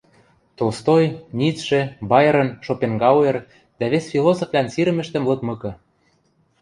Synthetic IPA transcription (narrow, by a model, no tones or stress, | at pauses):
t̪olst̪ojnit͡sʃĕbɑjɤ̆ɾə̆nʃopeŋɡɑwĕr | d̪æβesfilosoflʲænsiɾə̆mɘ̆ʃt̪ə̆mlɤ̆k̪mɤ̆kɤ̆